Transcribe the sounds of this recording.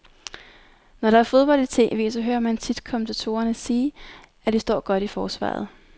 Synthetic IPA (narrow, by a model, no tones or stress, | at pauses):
nɒɾ̥ɑ̈æɐfo̝ð̞ˠb̥ɒ̽l̰d̥it͡sʰe̝̰ːʋe̝̰ːsɒ̽ɦø̰ːɐmænt͡sʰid̥kʰɒ̽mn̩t͡sʰæt͡sʰo̝̰ːɐnəsiː | ʔæd̥isd̥ɒ̰ːɡ̥ɒ̽ɾ̥ifɒːsʋɑ̰̈ːð̞̩ˠ